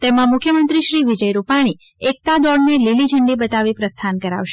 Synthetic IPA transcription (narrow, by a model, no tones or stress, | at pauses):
t̪emãmʊkʰjəmənt̪ɾiʃɾiʋid͡ʒəjɾupaɽ̃i | ek̚t̪ad̪ɔɽnelilid͡ʒʱəɳɖibət̪aʋipɾəst̪ʰankəɾa̰ʋʃe